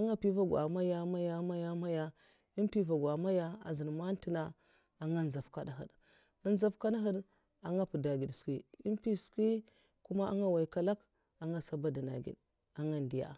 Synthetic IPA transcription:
a˦ŋa˦pi˦va˦ɡʷa̰˨ma˦ja˦ma˦ja˦ma˦ja˦ma˦ja˦ | i˦npi˦va˨ɡʷa˨ma˦ja˦a̰˨zi˨n˨ma˦n˦ti˦na˦ | a˨ŋa˦n˨za˨fka˦da˨ɦə̰˨d | a˦n˦za˦fka˦da˦ɦə˦d | a˨ŋa˦pu˨da˨ɡi˨dskʷi˦i˦npi˦skʷi˦ | ku˦ma˦a̰˦ŋa˦wa˨i˨ka˦la˦k | a˨ŋɡa˦sa˦ba˦da˨na̰˨ɡḭ˨d | a˨ŋa˦ndi˨ja̰˨

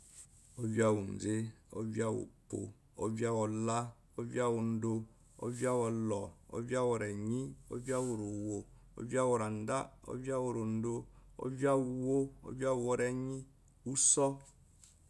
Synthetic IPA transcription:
o˦vi˦a˦wu˨n̩˨d͡ze˦o̰˦vi˦a˦wo̰˨po̰˨ | o˦vi˦a˦wɔ˨la˦ | o˦vja˦wu˨n̩˦do˦ | o̰˦vja˦wɔ˨lɔ˨o̰˦vi˦a˦wɔ˨ɾɛ˨ɲi˦o̰˦vi˦a˦wo˨ɾo˨wo˨ | o̰˦vi˦a˦wɔ˨ɾa˨n˨˦da˦o̰˦vja˦wo˨ɾo˨n̩˦do˦o̰˦vi˦a˦wu˨wo˦o̰˦vi˦a˦u˨wɔ˦ɾɛ˦ɲi˦ | u˦sɔ˦

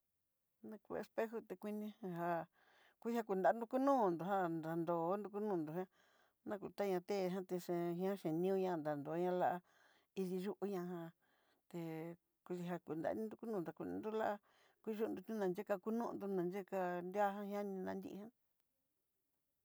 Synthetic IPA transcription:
nã˧kṵ˧ḛ˧spe˦xu˧t̪e˧kʷi˧nĩ˧hã˧ɦa˧ | kʷu˦ha˦ku˧nd̪a˨˦nd̪u˧ku˦nũː˦˨nd̪u˨ɦa˦nd̪a˨nd̪o˨˦nd̪u˧ku˦nũː˦˧˨nd̪u˨ɦã˦ | nã˦ku˨t̪a˦ɲã˧t̪e˦˧ɦã˦t̪e˧ʂẽ˧ɦj̃ã˦ʃẽ˨nĩ˦ũ˦˧ɲã˧nd̪a˨nd̪o˨˦ɲã˦˧la˦ʔa˧ | i˧ði˧ʒu˦ʔu˦ɲã˧ɦã˧ | t̪e˧ | ku˧i˧ɦa˧ku˧˨nd̪a̰˨˧˦nĩ˦d̪u˧ku˦nũ˦nd̪a˨kʷṵ˧nḭ̃˧nd̪u˦la˦ʔa˦ | kʷu˦ʒu˦˧nd̪u˧t̪ĩ˦nã˧nd͡ʒe˦ka˧ku˦nũ˦˧nd̪u˧nã˨˧nd͡ʒe˦ka˧nd̪a˦ɦã˦hj̃ã˦nĩ˧nã˧nd̪ḭ˦˧hã˦

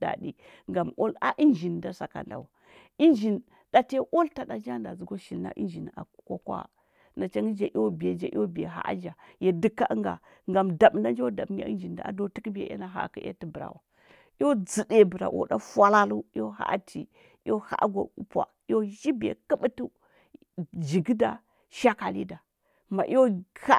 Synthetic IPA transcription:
da̰˨dḭ˦ | ŋɡa˨mo˦la˦ʔi˦nd͡ʒi˨nda˦sa˨ka̰˨nda̰˨wu˨ | i˦nd͡ʒi˨n | d̥a˨te˦ʔo˦lta˨da˨d͡ʒa˦nda˨zu˨ɡo˦ʃi˨lna̰˦ʔḭ˦nd͡ʒi˨na̰˨ko˦kwa̰˦ | na˨t͡ʃa˦ŋi˦d͡ʒa˨ʔo˦be˨d͡ʒa̰˦ʔḭ˦o˦bḛ˨ɦa̰˦ʔa̰˦d͡ʒa˨je˨di˦˨kːa˦ŋɡa̰˨ | ŋɡa˨mda˨bna˦d͡ʒa˦wda˨bɲa̰˦i˦nd͡ʒi˨nda̰˨a̰˨do˦ti˦kbḛ˨ʔḛ˦na˨ɦa̰˨ka˨˦ḛ˦ti˨bɾa̰˨wa˨ | i˦jo˦d͡zi˨de˨bə˨ɾa̰˨wʔo̰˨da˦fwa˦la˦lu˦jo˦ɦa̰˦ʔtʰḭ˨˦ | jo˦ha̰˦ʔɡo̰˨u˦pa̰˨˦o˦ʒi˦bḛ˨ki˦ɓi˦tu˦ | d͡ʒi˨ɡda˨ | ʃa˦ka˨lḭ˦da˨ | ma˨ʔi˦jo˦ha˦

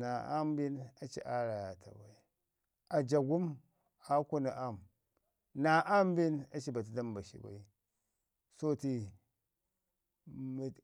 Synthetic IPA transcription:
na˨a˦m˦bi˦na˨t͡ʃḭ˨ʔa˦ɾa˨ja˨ta̰˨ba˨i˦ | a˨d͡ʒa˨ɡu˦m | a˦ku˦na˨ʔa˦m | na˨ʔa˦m˦bi˦na˦t͡ʃi˦ba˨t̬i˨da˦mba˨ʃḭ˨ba̰˨i˦ | so˦ti˨ | m˨

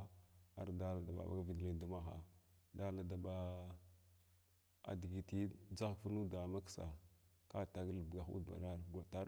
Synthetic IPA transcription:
a˨ɾda˦la˨da˨ɓa̰˨ba̰˦vi˨ɡle˦du˦ma˦xa̰˨da˦la˨da˨ba˦ | a̰˨di˨ɡi˨ti˦d͡za˦kfu˦nu˦da˨ma˦ksa̰˨ka˦˨ta˨ɡlbɡa˨xṵ˦dba̰˨na˦ɾɡa˨ta˦

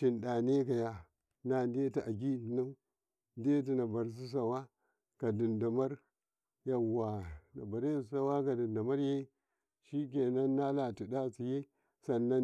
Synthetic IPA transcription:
t͡ʃi˨nda˨ne˦ka˨ja˦ | na˨n˦de˦ta˨ʔa˨ɡ̬i˦˨na˦ | de˦t̬i˨na˨ba˨ɾs̬u˦s̬a˨wa˦ | ka˨di˨nda˨ma˦ɾ | ja˨wa˨na˨ba˨ɾe˦˨sa˦wa˦ka˨di˨nda˨ma˦ɾje˦ | ʃi˦k̬e˨na˦nːa˦la˨ti˨da˦si˨je˦ | sa˨nːa˦

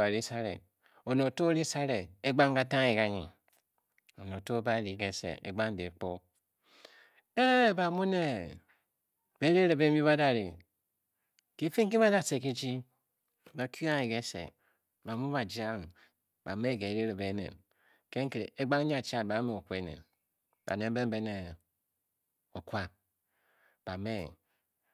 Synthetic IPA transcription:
a˨ɾi˦sa˦ɾḛ˨ | o˨no˨to˦ɾi˦sa˦ɾe˨e˦ɡ͡ba˦ŋ˦ka˦ta˦ŋ˦e˨ka˨˦ɲḭ˨ | o˨no˨to˦ba˦ɾi˨ɡe˦sḛ˨ḛ˨ɡ͡ba˦ŋ˦de˨k͡po˦ | e˦ba˨mu˦ne˦ | be˦ɾi˦ɾe˨be˦mi˦βa˦da˨ɾḭ˨ | ki˦fi˦ŋ˦k̬i˦ba˦da˦se˨ki˦d͡ʒi˦ | ba˨ki˦a˦ŋe˨ɡe˦sḛ˨ | ba˨mu˦ba˨d͡ʒi˦a˦ŋ˨ | ba̰˨me˦˨ke˨˦ɾe˦ɾe˨be˨˦nḛ˨n | ke˦ŋ̩˦ke˨ɾḛ˨e˦ɡ͡ba˦ŋ˦ɲa˦˨t͡ʃa˦˨ba˨˦me˦o˨kʷe˦nḛ˨n | ba̰˨ne˨m˦be˦m˦be˦ne˨ | o˨kwa˦ | b̥a˨me˦

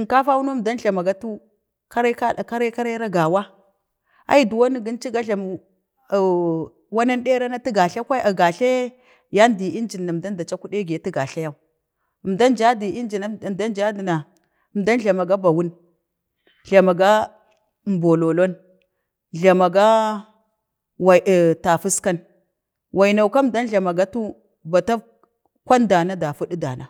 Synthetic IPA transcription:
nka˦fa˦wu˦nu˦mda˦nɮa˨ma˨ɡa˦tu˦ | ka˦ɾa˦ka˦˨ka˦ɾa˦ka˦ɾa˦ɾa˦ɡa˨wa˦ | a̰˦i˦du˨wa˦ni˦ɡi˦nt͡ʃi˦ɡa˦ɮa˨m˨ | wa˦na˦nɗe˦ɾa˦na˦ti˦ɡa˨ɬa˦kʷa˦a˨ɡa˨ɬe˦ | ja˦ndi˨i˦nd͡ʒi˨nːa˨mda˦n˦da˨t͡ʃa˦ku˦ɗe˦ɡe˨ti˦ɡa˨ɬa˦ja˦u˦˨ | mda˦nd͡ʒa˦di˨i˦d͡ʒi˨na˦˨da˦nd͡ʒa˦di˨na˨ | mda˦nɮa˨ma˨ɡa˦ba˨wu˦n | ɮa˨ma˨ɡa˦˨ | mbo˨lo˨lo˦n | ɮa˨ma˨ɡa˦ | wa˨ta˨fu˦ska˦n | wa˨i˨na˨u˨ka˦mda˦nɮa˨ma˨ɡa˦tu˦ | ba˨ta˦ | kʷa˦nda˨na˦da˨fu˦ɗi˦da̰˨na˨

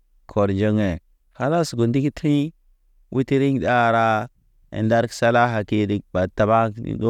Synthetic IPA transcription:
kʰo˨ɾd͡ʒa˦ŋe˨ | ha˦la˦sɡu˨ndi˦ki˦tʰi˦ | wʔu˦ti˦ɾi˦ŋ˨da˦˨ɾa˦ | ḛ˨nda˦ɾksa˦la˦ɦa˨ki˦di˦˨k̚ba˨ta˨ba̰˦˨do˦

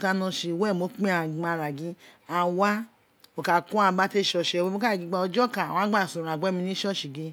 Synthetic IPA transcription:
ka˧nɔ̃˧ʃi˧˨wɛ˦˨mo˨˧˦k͡pĩ˦a˧˨a˧˨ɾa˨ɡĩ˧˦a˧˨wa˦ | o˨ka˨kũ˦a˧ba˦te˦˨ʃɔ˧˨ʃɛ˧we˧mo˦ka˦a˨ɡi˨˧ɡ͡ba˧ɔ˧d͡ʒɔ˦ka˨wã˦ɡ͡ba˦˨sũ˨ɾa˨ɡ͡bɛ˦mĩ˧nĩ˦ʃɔ˦˨ʃi˨ɡe˧

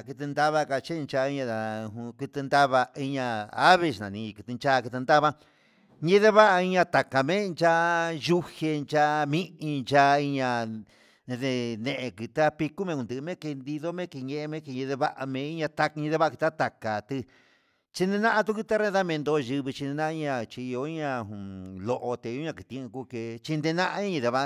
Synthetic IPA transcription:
kɨ˧t̪ɨ˧nd̪a˦βa˦ka˧t͡ʃe˦˧nt͡ʃa˧i˦ɲã˧a˨˧ku˧t̪ɨ˧nd̪a˦βa˧i˧ɲã˧a˦βe˧ʃnã̰˨nĩ˧kɨ˧t̪ɨ˧nt͡ʃa˦˧kɨ˧t̪ɨ˧nd̪a˦βa˦ | ɲĩ˧˦ðe˦βa˦ʔa˧i˧ɲã˧t̪a˨ka˨mẽ˦˧nt͡ʃa˧ju˦he˧nt͡ʃa˧mĩ˦ʔĩ˧nt͡ʃa˧i˧ɲã˧ | ðe˧nẽ˧ʔe˧ki˧t̪a˦pi˧ku˦mẽ˧ku˧˨d̪ɨ˧ʔmẽ˦ke˧nd̪i˧ðo˦mẽ˦ke˧ɲẽ˧ʔe˧mẽ˦ke˧ɲẽ˧ðe˧βa˦ʔa˧mẽ˧i˦ɲã˧t̪a˧ɲĩ˧ðe˧βa˦˧ki˧t̪a˦t̪a˨ka˨t̪ɨ˧ | t͡ʃi˧nd̪e˧nã˦ʔa˧t̪̬u˦ku˧t̪a˦ɾe˧˦ða˦mẽ˧nd̪o˧ʒɨ˧βi˧t͡ʃi˧ne˧nã˦˧i˧ɲã˧t͡ʃi˧i˧jo˧˦i˦ɲã˧˨lo˧ʔo˧t̪e˧õ˦ɲã˧ki˧t̪ĩ˧ẽ˧ku˧ke˧t͡ʃi˧nd̪e˧nã˦ʔa˧˦ɲ̃˦ĩ˧ðe˧βa˧

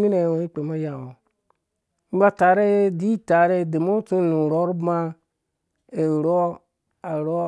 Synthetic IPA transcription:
mi˦na˨jwo˨˦i˦k͡pe˨ma˦ja˨wo˨ | m̩˦ba˦ta˨ɾe˦di˦ta˨ɾe˦de˨mo˦t͡su˦nũ˨ɾo˨˦ɾba˦ | e˨ɾo˦ | a˨ɾo˦

